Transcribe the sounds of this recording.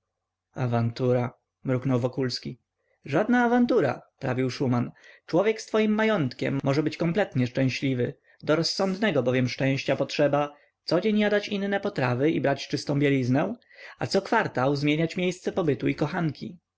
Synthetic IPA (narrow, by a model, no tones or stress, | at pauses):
avant̪uɾa | mɾuknɔwvɔkulskʲi | ʐad̪naːvant̪uɾa̰pɾavʲiwʂumant͡ʂwɔvʲjɛkst̪fɔjimːajɔnt̪kʲɛ̰mːɔʐɛbɘt͡ɕkɔmplɛt̪ɲɛʂt͡ʂɛ̃ɕlʲivɘ | d̪ɔɾɔsːɔ̃nd̪nɛɡɔbɔvʲjɛmʂt͡ʂɛ̃w̃ɕt͡ɕapɔtʂɛba | t̪sɔd͡ʑeɲjad̪at͡ɕinːɛpɔt̪ɾavɘibɾat͡ɕt͡ʂɘst̪ɔ̃w̃bʲjelʲiznɛ̃ | a̰t̪sɔkfaɾt̪awzmʲjeɲat͡ɕmʲjejst̪sɛpɔbɘt̪uikɔxaŋkʲʰḭ